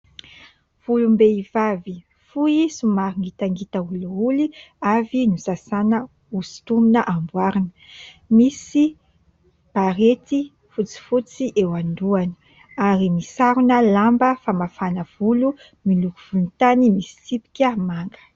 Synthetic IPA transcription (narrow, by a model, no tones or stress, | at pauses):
v̥ulumbeiv̥avi | fuisumaɾiŋit̪aŋɡit̪əuliuliavinusasanə | usi̥t̪uminəʔambwaɾinə | misi | b̥aɾet̪i | fut͡si̥fut͡siʔewand̪uani̥ | aɾimisaɾunəlambəfamafanəv̥ulu | milukuv̥ult̪animisi̥sipi̥kʲəmaŋɡə̥